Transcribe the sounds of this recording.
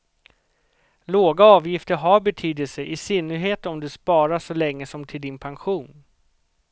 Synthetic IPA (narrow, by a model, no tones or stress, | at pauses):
loːɡaɑːvjɪft̪əɾɦaɾbɛt̪ʰyːd̪əlsəʔɪsɪnːəɾɦeːt̪ɔmd̪ɵspɑːɾaʂɔlɛŋːəsɔmt̪ʰɪld̪ɪnpʰanɧuːn